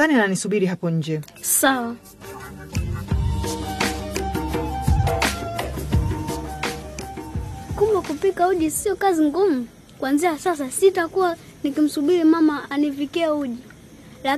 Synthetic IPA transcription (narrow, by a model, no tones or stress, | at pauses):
aniananisuɓiɾiɦapɔɲ̩d͡ʒɛ | sawa | kumakupikauʄisiɔkaziŋɡumu | kwanziasasasitakuwa | nikim̩suɓiɾimamaːnivikɛauʄi | la